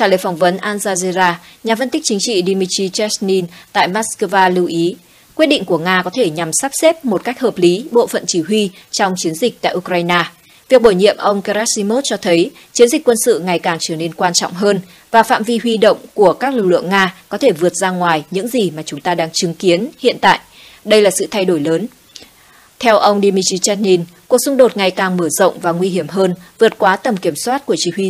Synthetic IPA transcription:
t͡ɕaː˧˩ləː˨˩jfɔ˧˩wŋ͡mvə˨˦nʔaː˧nzaː˧ze˧zaː˧ɲaː˨˩fə˧nt̪ï˦˥k̚t͡ɕï˨˦ŋ̟t͡ɕḭ˧˨ɗi˧mi˧t͡ɕi˧t͡ɕɛ˦˥sni˧nt̪a̰ː˧˨jmaː˦˥skəː˧vaː˧lɨ˧wʔi˨˦ | kwi˦˥t̚ɗḭ˧˨ŋ̟ku˧˩əŋaː˧kɔ˨˦t̪ʰe˧˩ɲa˨˩msaː˦˥p̚se˦˥p̚mo˨˩t̚ka˦˥jk̚həː˨˩p̚li˨˦ɓo̰˧˨fə̰˧˨nt͡ɕi˧˩ɦwi˧t͡ɕɔ˧wŋ͡mt͡ɕi˨˦ənzï˨˩k̚t̪a̰ː˧˨ʔu˧kɾaː˧jnaː˧ | vi˨˩ək̚ɓo˧˩jɲḭ˧˨əmʔə˧wŋ͡mka˧ɾa˦˥t̚si˧mo˦˥t̚t͡ɕɔ˧t̪ʰə˨˦j | t͡ɕi˨˦ənzi˨˩kwə˧nsɨ̰˧˨ŋa˨˩jkaː˨˩ŋt͡ɕəː˧˩ne˧nkwaː˧nt͡ɕɔ̰˧˨wŋ͡mɦəː˧n | vaː˨˩fa̰ː˧˨mvi˧hwi˧ɗə̰˧˨wŋ͡mku˧˩əkaː˦˥k̚lɨ˨˩k̚lɨ̰˧˨əŋːaː˧kɔ˨˦t̪ʰe˧˩vɨ˨˩ət̚zaː˧ŋwaː˨˩jɲɨ̰˧˥ŋzi˨˩maː˨˩t͡ɕʊ˨˦ŋ͡mt̪aː˧ɗaː˧ŋt͡ɕɨ˨˦ŋki˨˦ənhḭ˧˨ənt̪a̰ː˧˨jʔ | ɗə˧jlaː˨˩sɨ̰˧˨t̪ʰa˧jɗo˧˩jləː˨˦n | t̪ʰɛ˧wʔə˧wŋ͡mɗi˧mi˧t͡ɕi˧t͡ɕɛ˦˥t̚ni˧n | ku˨˩ək̚sʊ˧ŋ͡mɗo˨˩t̚ŋa˨˩jkaː˨˩ŋməː˧˩zə̰˧˨wŋ͡mvaː˨˩ŋwi˧ɦi˧˩əmɦəː˧nvɨ˨˩ət̚kwaː˨˦t̪ə˨˩mki˧˩əmswaː˦˥t̚ku˧˩ət͡ɕi˧˩hwi˧

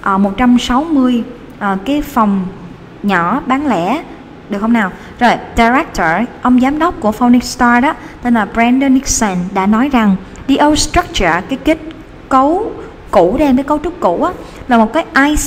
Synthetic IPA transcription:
ʔəː˨˩mo˨˩t̚t͡ɕa˧msa˨˦wmɨ˧əj | ʔəː˨˩kaː˨˦jfa˨˩wŋ͡m | ɲɔ˧˩ɓaː˨˦nlɛ̰˧˩ | ɗɨ˨˩k̚hə˧wnaː˨˩w | zo˨˩jɗa˧ɾɛ˦˥k̚t̪ʰəː˨˩ʔə˧wŋ͡mzaː˨˦mɗə˦˥wk͡p̚ku˧˩əfɔ˧ni˦k̚st̪aː˧ɗɔ˨˦t̪e˧nlaː˨˩bɹɛ˧nɗə˧ni˦˥k̚sə˧nɗa̰ː˧˥nɔ˨˦jza˨˩ŋ | ɗi˧ʔə˧wstɹə˦˥k̚t͡ɕə˨˩kaː˨˦jki˦˥t̚ | kə˨˦w | ku˧˩˨ɗe˧mkaː˨˦jkoə˨˦wt͡ɕʊ˦˥k͡p̚kṵ˧˩ʔaː˨˦ | laː˨˩mo˨˩t̚kaː˨˦jʔaː˧j

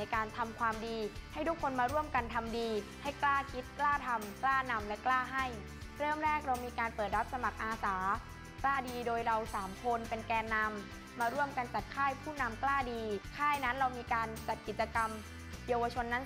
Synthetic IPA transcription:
jkaː˧nt̪ʰa˧mkʰwaː˧mdiː˧ha˥˩jt̪ʰu˦˥kʰːo˧nmaː˧ɾu˥˩əmka˧nt̪ʰa˧mdiː˧ha˥˩jklaː˥˩kʰi˦˥t̪̚klaː˥˩t̪ʰa˧mklaː˥˩na˧mlɛ˦˥klaː˥˩ɦa˥˩j | ɾɤː˥˩əmɾɛː˥˩k̚ɾa˧wmiː˧kaː˧npɤː˨˩t̪̚ɾa˦˥p̚sa˧ma˨˩k̚ʔaː˧saː˩˦ | klaː˥˩diː˧doː˧jɾa˧wsaː˩˦mkʰo˧npe˧nkɛː˧nːa˧mː | aː˧ɾu˥˩əmka˧nt͡ɕa˨˩t̪̚kʰaː˥˩jpʰuː˥˩na˧mklaː˥˩diː˧kʰaː˥˩jna˦˥nɾa˧wmiː˧kaː˧nt͡ɕa˨˩t̪̚ki˨˩t͡ɕa˧ka˧m | jaː˧wa˧t͡ɕʰo˧nːa˦˥

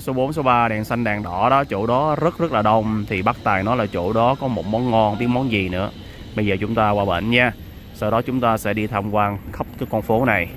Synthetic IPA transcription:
so˨˦ɓo˨˦nso˨˦ɓaː˧ɗɛ˨˩nsa˧jŋ̟ɗaː˨˩ŋɗɔ̰˧˩ɗɔ˨˦t͡ɕṵ˧˩ɗɔ˨˦zə˦˥t̚zə˦˥t̚laː˨˩ɗə˧˩wŋ͡mt̪ʰi˨˩ɓaː˦˥k̚t̪aː˨˩jnɔ˨˦jlaː˨˩t͡ɕṵ˧˩ɗɔ˨˦kɔ˨˦mo˨˩t̚mɔ˨˦nŋɔ˧nɓi˦˥ət̚mɔ˨˦nzi˨˩nɨ̰˧˥ə | ɓə˧jzəː˨˩t͡ɕʊ˨˦ŋ͡mt̪aː˧kwaː˧ɓə̰˧˨nɲaː˧ | saː˧wɗɔ˨˦t͡ɕʊ˨˦ŋ͡mt̪aː˧sɛ̰˧˥ɗi˧t̪ʰa˧mkwaː˧nxə˦˥p̚kaː˨˦jkɔ˧nfo˨˦na˨˩j

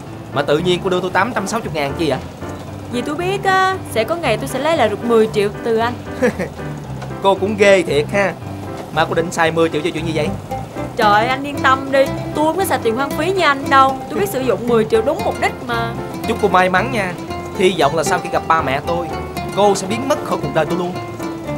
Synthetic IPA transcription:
maː˨˩t̪ɨ̰˧˨ɲi˧ənko˧ɗɨ˧ət̪o˧jt̪aː˨˦mt͡ɕa˧msa˨˦wt͡ɕʊ˨˩k͡p̚ŋaː˨˩nt͡ɕi˧ʔəː˨˦ | zi˨˩t̪u˧jɓi˦˥ət̚ʔaː˨˦sɛ̰˧˥kɔ˨˦ŋa˨˩jt̪o˧jsɛ̰˧˥lə˨˦jlaː˨˩z̚mɨ˨˩əjt͡ɕḭ˧˨əwt̪ɨ˨˩ʔa˧jŋ̟ | ko˧kʊ̰˧˥ŋ͡mɣe˧t̪ʰi˨˩ət̚haː˧ | maː˨˩ko˧ɗï˧˨ŋ̟saː˨˩jmɨ˨˩əjt͡ɕḭ˧˨t͡ɕɔ˧˩t͡ɕḭ˧˨ɲɨ˧zə̰˧˨j | t͡ɕəː˨˩jʔa˧jnɗi˧ənt̪ə˧mɗi˧t̪u˧u˧˦ŋ͡mkːsaː˧˩t̪i˨˩ŋhwaː˨˧ŋfi˨˦ɲɨ˧ʔa˧jŋɗə˧wt̪u˧i˦˥t̚sɨ̰˧˦zʊ̰˧˨ŋ͡mmɨ˨˩əjt͡ɕḭ˧˨əwɗʊ˨˦ŋ͡mmʊ˨˩p̚ɗï˦˥k̚maː˨˩ | t͡ɕʊ˦˥ŋ͡mko˧maː˧jma˨˦nɲaː˧ | t̪ʰi˧zɔ̰˧˨wŋ͡mlaː˨˩saː˧wxḭ˧˦ɣa˨˩p̚ɓaː˧mɛ̰˧˨t̪o˧j | ko˧sɛ̰˧˥ɓi˨˦˥ən̚mə˦˥t̚xə˧ku˨˩k̚ɗəː˨˩jt̪o˧jlu˧ən

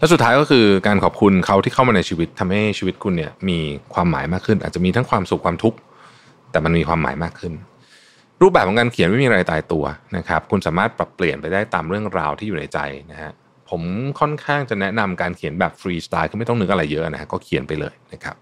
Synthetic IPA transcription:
lɛ˦˥su˨˩t̪ʰaː˦jkɔː˥˩kʰɯː˧kaː˧nkʰɔː˨˩p̚kʰu˧nkʰa˦˥wt̪iː˥˩a˥˩wmaː˧na˧jt͡ɕʰiː˧wi˦˥t̪ʰːa˧mha˥˩jt͡ɕʰiː˧wi˦˥t̪̚kʰu˧nːi˥˩ɐmiː˧kʰwaː˧mːa̰ː˩˦jmaː˥˩kʰːɯ˥˩nʔaː˨˩t͡ɕa˨˩ʔmiː˧t̪ʰa˦˥ŋkʰwaː˧msu˨˩kʰwaː˧mt̪ʰu˦˥k̚ | t̪ɛː˨˩ma˧nmiː˧kwaː˧mːa̰ː˩˦jmaː˥˩kʰːɯ˥˩n | ɾu˥˩bɛː˨˩p̚ʰːɔ˩˨˦ŋkaː˧nkʰi˨˩˦nma˥˩mː˧ɾaː˧jt̪aː˧jt̪u˧ɐna˦˥kʰɾa˦˥p̚kʰu˧nsaː˩˦maː˥˩t̪̚pɾa˨˩pːli˨˩ənpa˧jdaː˥˩jt̪aː˧mɾɯ˥˩əŋɾaː˧wt̪ʰiː˥˩juː˨˩na˧jt͡ɕa̰˧jna˦˥ha˦˥ | pʰo˩˦mkʰɔ˥˩nkʰaː˥˩ŋt͡ɕa˨˩nɛ˦˥na˧mkaː˧nkʰi˨˩˦nbɛː˨˩p̚fɾiː˧st̪aː˧jkʰɯː˧˩ma˥˩jt̪ɔ˥ŋnɯ˦˥k̚ʔa˧ɾa˧jːɤ˦˥ʔa˨na˦˥a̰˦˥kɔː˥˩kʰi˨˩˦npa˧jlɤ̰ː˧jna˦˥kʰa̰˦˥p̚

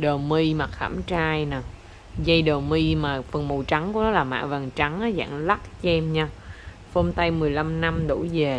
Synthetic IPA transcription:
ɗəː˨˩wmi˧ma˨˩t̚xa̰ː˧˩mt͡ɕaː˧jnaː˨˩ | zə˧jɗəː˨˩wmi˧maː˨˩fə˨˩nmo˨˩t͡ɕa˨˦ŋku˧˦nɔ˨˦laː˨˩ma̰ː˧˨və˨˩nt͡ɕa˨˦ŋʔaː˨˦za̰ː˧˨ŋla˦˥t̚t͡ɕɛ˧mɲaː˧ | fo˧mnt̪a˧jmɨ˨˩əjla˧mna˧mɗṵ˧˩ve˨˩

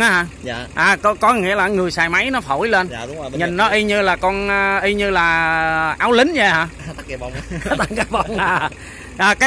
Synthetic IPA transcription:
aː˨˦ɦaː˧˩˧ʔaː˨˩kɔ˨˦kɔ˨˦ŋḭ˧˥əlaː˨˩ŋɨ˨˩əjsaː˨˩jma˨˦jnɔ˨˦fo˧˩jle˧n˦˨ɲi˨˩n̟ːɔ˨˦ʔi˧ɲɨ˧laː˨˩kɔ˧nʔʔi˧ɲɨ˧laː˨˩ʔaː˨˦wlï˨˦ŋ̟zə˧˩haː˧˩˦wt̪a˨˩ŋkaː˨˦və˧wŋ͡mnaː˨˩ | ʔaː˨˩kaː˨˦

